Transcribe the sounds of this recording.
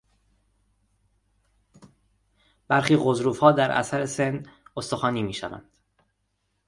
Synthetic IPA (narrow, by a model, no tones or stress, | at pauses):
b̥æɾxiːɣozɾuːfhɒːd̪æɾʔæ̰sæɾese̞nːost̪o̞xɒːniːmiːʃævæ̰nd̪̥